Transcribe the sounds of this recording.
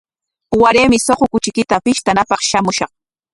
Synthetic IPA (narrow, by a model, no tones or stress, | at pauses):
waɾeːmɪsoqokʊt͡ʃɪkɪt̪apɪʃt̪anapɑχʃamʊʃɑχ